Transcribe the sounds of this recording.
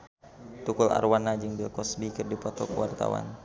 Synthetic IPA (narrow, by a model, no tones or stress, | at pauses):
t̪ukula̰rwanad͡ʒɨŋbilkɔsbikɨrdipɔt̪ɔkəwart̪a̰wa̰n